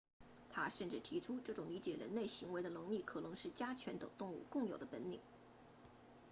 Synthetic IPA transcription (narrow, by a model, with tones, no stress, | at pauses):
t̪ʰa˥ʂə˥˧nʈ͡ʂɻ̩˥˩t̪ʰi˧˥ʈ͡ʂʰu˥ʈ͡ʂɤ˥˩ʈ͡ʂʊ˨˩ŋli˧˥t͡ɕjɛ˨˩ɻə̰˧˥nle˥˩ɪɕi˧˥ŋwe˧˥ɪd̪ə˧lʊ˧˥ŋli˥˩kʰɤ˨˩lʊ˧˥ŋʂɻ̩˥˩t͡ɕja˥t͡ɕʰɥɛ˧˥nt̪ɤ̰˨˩ŋt̪ʊ˥˧ŋṵ˥˧kʊ˥˩ŋjo˨˩ʊd̪ə˦pə˧˥nni˨˩˦ŋ